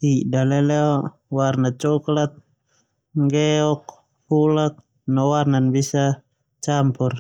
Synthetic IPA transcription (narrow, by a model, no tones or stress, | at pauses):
idalɛlɛɔ | warnat͡ʃɔklat̪̚ | ŋɡɛɔk̚ | hulak̚ | nɔwarnanbisa | t͡ʃampur